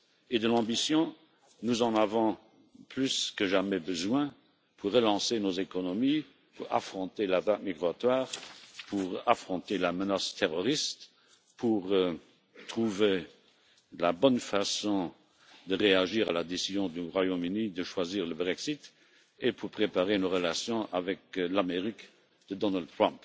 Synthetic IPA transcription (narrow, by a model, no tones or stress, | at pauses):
ed̪əlɑ̃bisjɔ̃ | nuzɑ̃navɔ̃ | plyskəʒamɛbəzwɛ̃ | pʰuʁːəlɑ̃senozekɔnɔmi | puʁa̰fχɔ̃t̪elat̪atmiɡʁat̪waːʁpʰuʁafχɔ̃t̪elamənast̪ʰeʁɔʁist̪ | pʰuʁ | t̪χuve | labɔnfasɔ̃ | d̪əʁeaʒiːʁalad̪esizjɔ̃d̪yʁwajõmynid̪əʃwaziːʁləbʁɛksit̪ | epʰuʁpχepaʁenoʁəlasjɔ̃ʔavɛklameʁik | d̪̥əd̪ɔnald̪̚t̪ʁɔ̃mp